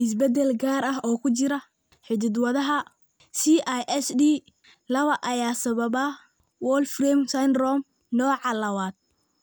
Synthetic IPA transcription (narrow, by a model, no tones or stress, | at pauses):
ɪs̬bɛd̪ɛlɡaːɾɐɦɔːkʰʊt͡ʃɪɾɐ | ħɪd̪ɪd̪wɐðɐɦɐ | siʔajʔɛsdi | lɐβɐʔɐjaːsɐβɐβa | wɔːlfrɛːmsanrɔːm | nɔːʕɑlɐwaːd̪̚